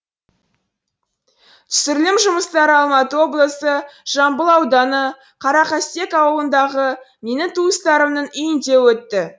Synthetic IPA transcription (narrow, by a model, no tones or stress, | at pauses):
t̪ʰʏ̥sɪɾlɪmʒʊməst̪ɑɾəɑlˠmɑt̪əwo̞blˠəsəʒ̥ɑmbəlˠɑwd̪ɑnə | qʰɑɾɑqɑst̪e̞kɑwəlˠənd̪ɑʁəmenɪt̪ʰuəst̪ɑɾəmnənʏjɪnd̪e̞wɵt̪ːɪ